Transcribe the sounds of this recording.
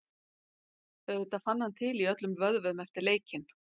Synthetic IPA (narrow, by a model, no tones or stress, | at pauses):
œðʏt̪afanːhant̪ʰɪliœt̪lʏmvœðvʏðmɛft̪ɪɾleːjcɪn